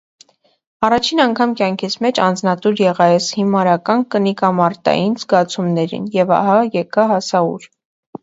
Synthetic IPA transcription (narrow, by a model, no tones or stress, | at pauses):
ɑrɑt͡ʃʰinɑŋkʰɑmkjɑŋkʰit͡sʰmɛt͡ʃɑnd͡znɑt̪uɾjɛʁɑjɛshimɑɾɑkɑnkənikɑmɑɾt̪ɑ̰jinzɡɑt͡sʰumnɛɾḭnjɛvɑ̰ɦɑjɛkɑɦɑsɑṵɾ